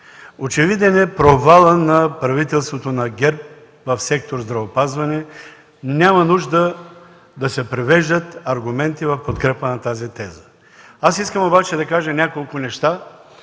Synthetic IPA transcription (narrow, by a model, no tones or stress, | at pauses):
ot͡ʃɛvid̪ɛnɛpɾovalˠənɐpɾɐvit̪ɛlˠst̪vot̪onɐɡʲɛɾp̚ | vɐfsɛk̚t̪oɾzd̪ɾɐvopazvɐnɛ | nʲamɐnuʒd̪ə | d̪ɐsɛpɾivɛʒd̪ət̪ɐɾɡʊmɛnt̪ivɐfpot̪kɾɛpənɐt̪azit̪ɛzə̥ | asiskəmobat͡ʃɛd̪ɐkaʒənʲakolˠkʊnɛʃt̪a